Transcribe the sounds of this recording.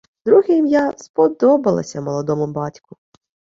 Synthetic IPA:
d̪ɾuɦɪmjaspɔd̪ɔbɐlˠɐ̰sʲɐmɔlˠɔd̪ɔmʊbɑtʲkʊ

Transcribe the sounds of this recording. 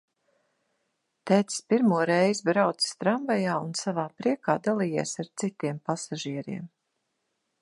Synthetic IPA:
t̪ɛːt̪si̥spiɾmuɔɾɛjzbɾawt̪si̥st̪ɾamvajaːunsavaːpɾiɛkaːd̪alˠiːjiːsaɾt̪sit̪iɛmpasaʒiɛɾiɛm

